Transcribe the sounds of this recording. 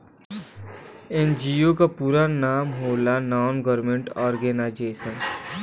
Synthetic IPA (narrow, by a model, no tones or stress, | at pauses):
end͡ʒiokapuːɾanaːmɦoːlanaːnɡɔɾɾmẽɳʈɔːɾɡeːnad͡ʒeːsə̃n